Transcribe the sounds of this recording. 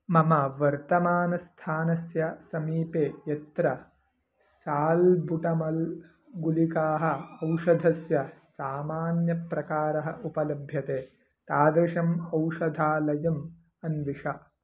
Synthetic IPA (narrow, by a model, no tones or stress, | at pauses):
mɐmɐʋɐɾt̪ɐmaːnɐst̪ʰaːnɐsjɐsɐmiːpeːjɐt̪ɾɐ | saːlbʱuʈɐmɐl | ɡulikaːɦɐ̆ɐwʂɐd̪ʱɐsjɐsaːmaːnjɐpɾɐkaːɾɐɦɐʔupɐlɐbʱjɐt̪eː | t̪aːd̪ɾɐʂɐmɐwʂɐd̪ʱaːlɐjɐm | ɐnʋiʂɐ